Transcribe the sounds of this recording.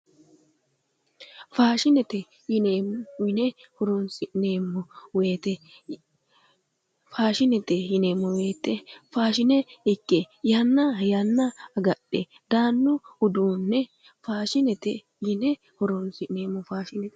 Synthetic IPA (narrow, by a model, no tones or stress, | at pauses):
faːʃɪnɛt̪ɛ | jɪneːmːɔjɪnɛhɔɾonsɪneːmːɔwe̞ːt̪ɛ | faːʃɪnɛt̪ɛjɪneːmːɔwe̞ːt̪ːɛfaːʃɪnɛɪkːɛ | janːajanːaɐɡɐɗɛ | d̪aːnːʊhʊd̪uːnːɛ | faːʃɪnɛt̪ɛ | jɪnɛ | hɔɾonsɪne̞ːmːɔfaːʃɪnɛ